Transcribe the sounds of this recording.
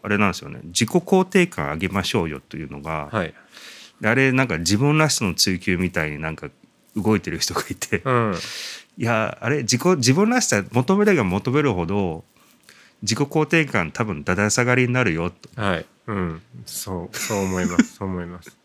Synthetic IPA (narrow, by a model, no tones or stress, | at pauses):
aɾe̞nãnd̪esɨjo̞̰ne̞̰d͡ʑiko̞ko̞ːt̪e̞ːkã̰ɰ̃aɡe̞maɕo̞ːjo̞̰t̪ːejɯ̟ːno̞̰ɡa̰hai | d̪eaɾe̞nãŋkad͡ʑibɯ̟̃nːaɕi̥t̪ono̞t͡sɨːkʲɨːmʲit̪aiɲ̟inãŋka | ɯ̟ɡo̞it̪e̞ɾɯ̟çi̥t̪o̞ɡ̥ait̪ʰeɯ̃ | jaa̰ɾe̞d͡ʑiko̞d͡ʑibɯ̟̃nːaɕi̥t̪amo̞t̪o̞me̞ɾɯɡamo̞t̪o̞me̞ɾɯ̟ɦo̞d̪o̞ | d͡ʑiko̞ko̞ːt̪e̞ːkãnt̪ʰabɯ̟̃nd̪ad̪aisaɡaɾʲiɲinaɾɯ̟jo̞t̪ːo̥ha | ɯ̃ɴsoːoːmoimḁoːmoimasɨ̥